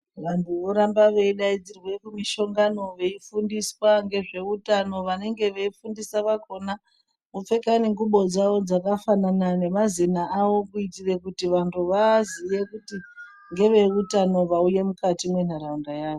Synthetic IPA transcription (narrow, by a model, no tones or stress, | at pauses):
ʋantʰuʋo̞ɾambaʋe̞iɗaid͡zirwe̞kumiʃo̞ŋɡano̞ʋe̞ifundiswaŋɡe̞ʐe̞utano̞ʋane̞ŋɡe̞ʋe̞ifundisaʋako̞na | ufe̞kaniŋɡuɓo̞d͡zaʋo̞d͡zakafananane̞mazinaːʋo̞kuitire̞kutiʋantʰuʋazije̞kuti | ŋɡe̞ʋe̞utano̞ʋauje̞mukatimwen̤aɾaundajaːʋo